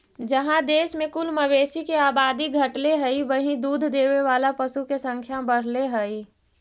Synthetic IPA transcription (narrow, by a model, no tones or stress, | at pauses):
d͡ʒəɦãd̪eːsmẽkulməʋeːsikeaːbaːd̪iɡʱəʈleɦəiʋəɦĩd̪uːd̪ʱd̪eːʋeʋaːlapəsukesə̃ŋkʰjabəɽ̤leɦəi